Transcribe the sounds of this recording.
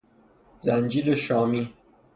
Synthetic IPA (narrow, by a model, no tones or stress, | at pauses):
zænd͡ʒiːleʃɒːmiː